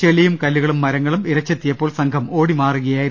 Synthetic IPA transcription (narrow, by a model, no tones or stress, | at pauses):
eɭijumkɐlːuɣɐɭumːɐɾɐŋːɐɭumiɾɐt͡ɕːet̪ːijɐpːo̞ːɭsɐŋkʰɐmo̞ːɽimaːruɣɐjaːjiɾ